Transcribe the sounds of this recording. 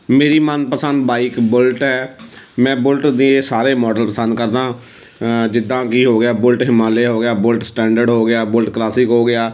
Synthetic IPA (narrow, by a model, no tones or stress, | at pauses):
meːɾiːmənpəsənd̪baːiːkbʊlʈɦɛː | mɛ̃ːbʊlʈd̪iːeːsaːɾeːmɔːɖəlpəsə̃nd̪̚kəɾd̪ãː | d͡ʒɪd̪ːãːkiːɦoːɡɪjaːbʊlʈɦɪmaːleːɦoːɡɪjaːbʊlʈsʈɛ̃ːɳɖəɾɖɦoːɡɪjaːbʊlʈklaːsɪkɦoːɡɪaː